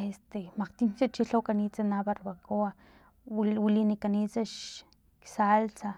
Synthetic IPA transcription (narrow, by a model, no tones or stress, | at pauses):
est̪emaqt̪int͡ʃat͡ʃiɬawkanit͡sanaβaɾbakoa | wilinikanit͡saʃ | ksalt͡sa